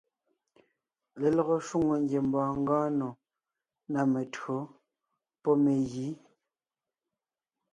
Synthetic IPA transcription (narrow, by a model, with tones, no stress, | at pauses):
le˨lɔ˦˨ɣo˨ʃwu˦ŋo˨ŋɡje˨m˨bɔ̃ː˨ŋ̩˦ɡɔ̃ː˦no˨ | na˨me˨tɰo˨˦ | pɔ˦me˨ɣi˨˦